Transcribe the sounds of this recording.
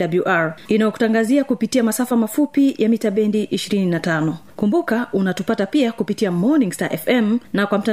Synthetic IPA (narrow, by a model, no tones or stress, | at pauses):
abuʔaɹinajɔku̥taŋɡaziakupitiamasafamafupijamitaɓɛndiʔiʃiɾininatanɔkumbukaunatupatapiakupitiamɔniŋsta̰ʔɛfɛmnakwam̩ta